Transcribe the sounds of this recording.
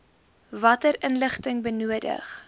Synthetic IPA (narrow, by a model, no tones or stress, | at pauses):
vɐtəɾənləχtəŋbənuədə̰χ